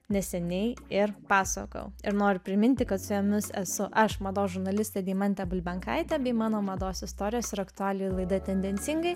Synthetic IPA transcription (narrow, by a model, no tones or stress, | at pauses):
nʲɛsʲɛnʲɛɪɪɾpɑːsɐ̰kɐ̰ʊɪɾnoːɾʲʊpʲɾʲɪmʲɪnʲt̪ʲɪkɐt̪sʊjɛmʲɪsɛ̰sʊʔɐʃmɐd̪oːsʒʊɾnɐlʲɪsʲt̪ʲɛːd̪ʲiːmɐnʲt̪ʲɛbʊlʲbʲɛŋkɐɪt̪ʲɛbʲɛːmɑːnoːmɐd̪oːsɪst̪oːɾʲɪjoːsɪɾɐkt̪ʊɑːlʲɪjulˠɐɪd̪ɐt̪ʲɛnʲd̪ʲɛnʲtsʲɪŋɡɐɪ